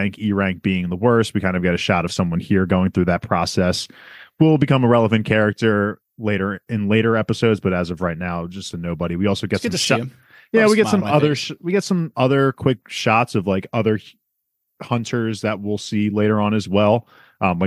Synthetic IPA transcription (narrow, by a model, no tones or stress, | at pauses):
ɪ̃ŋkiɹæ̃ŋk̚b̥iɪ̃ŋðəwɜ˞st̚wikʰãɪ̃ndɨvɡɛɾɨʃɑɾʌv̥sʌ̃mwʌ̃nhiɹɡoʊɪ̃ŋθɹʉðɨt̚pʰɹ̥ɔsɛswilˠbɨkʰʌ̃məɹɛlˠəvɨ̃nkʰɛɹɨk̚tə˞ | leɪɾə˞ɨ̃nleɪɾə˞ɛpəsoʊdzb̥ʌɾɨzʌvɹaɪt̚ⁿnaʊd͡ʒʌstʰɨnoʊbəɾiwiɔlˠsoʊɡɛtsʌʃ | jæwiɡɛtssʌ̃mʌðə˞wiɡɛtsʌ̃mʌðə˞kʰw̥ɪk̚ʃɑtsʌvlaɪkʌðə˞ | hʌ̃ntʰə˞zðɨt̚wɪlˠsileɪɾə˞ə̃nɨzwɛlˠ | ʔʌ̃mlaɪ